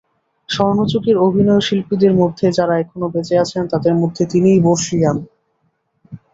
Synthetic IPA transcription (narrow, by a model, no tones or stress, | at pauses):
ʃɔnot͡ɕokeɾobʱinɔjoʃilpid̪eɾmod̪ʱːed͡ʑaɾaɛkʰonobed͡ʑeat͡ɕʰent̪ad̪eɾmod̪ʱːet̪inijboɾʃijan